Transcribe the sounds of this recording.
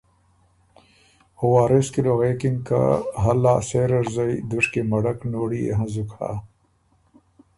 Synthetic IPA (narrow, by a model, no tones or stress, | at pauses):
huwaːɾeskiloɣekiŋka̰ɦɐlaːseɾɐɾzajd̪uʂkemɐɽɐknoːɽiḛɦɐ̃zukʰa̰